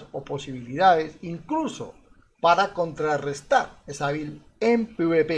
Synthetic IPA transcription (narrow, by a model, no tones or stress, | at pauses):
opo̞siβiliðaðesiŋkluso̰ | paɾako̞nt̪ɾarest̪aɾesaβil | empuβepe